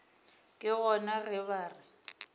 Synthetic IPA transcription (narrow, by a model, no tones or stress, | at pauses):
kʼɪɣɔnarɪβaːrɪ